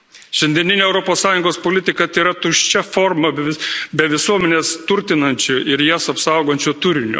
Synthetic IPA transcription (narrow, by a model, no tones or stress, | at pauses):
ʃʲɛnʲd̪ʲiɛnʲɪnʲeːɛʊɾɔpoːssɑːjʊŋɡoːspoːlʲɪt̪ʲɪkɐt̪iːɾɐt̪ʊʃʲt͡ʃʲɛfɔɾmɐbʲɛʋʲɪsuɔmʲɛnʲeːst̪ʊɾʲt̪ʲɪnɐnʲt͡ʃʲʊɪɾjæsɐpsɐˑʊɡoːnʲt͡ʃʲʊt̪ʊɾʲɪnʲʊ̰